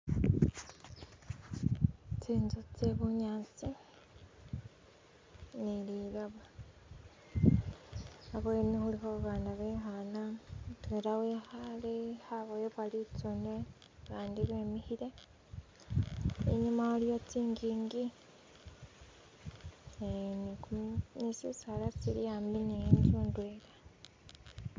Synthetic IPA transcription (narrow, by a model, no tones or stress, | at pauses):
t͡siːnzut͡seβuɲaːt͡si | niliɾaβa | aβwenihuliɦouβaːnaβeːxanatweːɾaweːhalehaβojeβalit͡sune | kaːndiβeːmihiɾe | ḛɲumaaljot͡siːŋɡiːŋɡi | enikumnisisalat͡siɾijaːminiɲd͡ʒundweːla